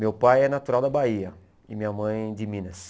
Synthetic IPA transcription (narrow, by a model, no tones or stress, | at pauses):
mewpajɛnat̪uɾawd̪ɐbaiɐ | ɪmĩɲɐmɐ̃j̃d͡ʒɪmĩnɐs